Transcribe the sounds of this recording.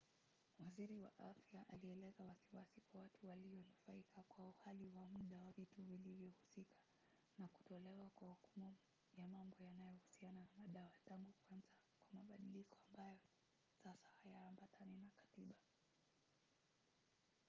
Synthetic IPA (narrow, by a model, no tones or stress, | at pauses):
waziɾiwa̰ʔafjaʔaliɛlɛzawasiwasikwawatuwaliɔnufaikakwauhaliwamuɗawavituvilivjɔhusikʰḁ | naku̥tɔlɛwakwahukumu | jamambɔjanajɔhusiananamaɗawataŋɡukwanzakwamaɓaɗilikɔambajɔ | sasḁhajaːmbatʰaninakḁtiɓa